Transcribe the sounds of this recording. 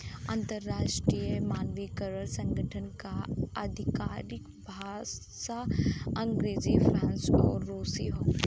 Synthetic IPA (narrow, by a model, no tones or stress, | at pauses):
ə̃nt̪əɾːaːʃʈɾijəmaːnʋikəɾəlsɐ̃ŋɡʱəʈʰənkaɐd̪ʱɪkaːɾɪk | bʱaː | ʃaɐ̃ŋɡɾeːzifʰɾãːnsɔ̰ːɾːoːsiɦoː